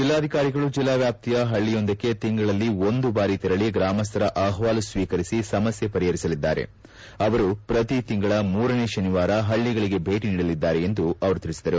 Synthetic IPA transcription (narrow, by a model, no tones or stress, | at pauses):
d͡ʒilːaːd̪ʱikaːɾiɡɐɭud͡ʒilːaːʋjaːp̚t̪ijɐɦɐɭːijo̞nd̪ɐkːe̞t̪iŋɡɐɭɐlːio̞nd̪ubaːɾit̪ɛɾɐɭiɡɾaːmɐst̪ɐɾɐʔaːɦʋaːlusʋiːkɐɾisisɐmɐsjɐpɐɾiɦɐɾisɐlid̪ːaːɾe̞̰ | ɐʋɐɾupɾɐt̪it̪iŋɡɐɭɐmuːɾɐne̞ʃɐniʋaːɾɐɦɐɭːiɡɐɭiɡe̞bʱe̞ːʈiniːɽɐlid̪ːaːɾe̞end̪uɐʋɐɾut̪ilisid̪ɐɾu